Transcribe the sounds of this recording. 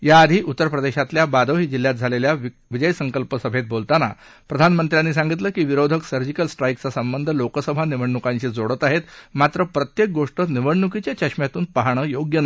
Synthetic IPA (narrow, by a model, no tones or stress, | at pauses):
jaːd̪ʱiːʔut̪ːəɾəpɾəd̪eɕat̪ljabad̪əɦiːd͡ʑil̤ːjat̪̚d͡zʱalelja | ʋid͡ʑəjsəŋkəlpəsəbʱet̪̚bolt̪ana̰ | pɾəd̪ʱanmənt̪ɾjanːiːsãŋɡit̪ləːkiːʋiɾod̪ʱəksəɾd͡ʑikəlsʈɾajkt͡sasəmbənd̪ʱəlokəsəbʱaniʋəɳːukãɲt͡ɕid͡zoɽət̪aɦet̪mat̪ɾəpɾət̪jek̚ɡoʂʈəniʋəɳnukit͡ɕjat͡ɕəɕmjat̪uːnpaɦaɳ̃əjoɡjənə